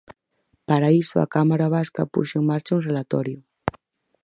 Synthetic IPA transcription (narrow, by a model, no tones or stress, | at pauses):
paɾaisua̰kamaɾaβ̞aska̰pṵʃeŋmaɾt͡ʃaunrelat̪ɔɾju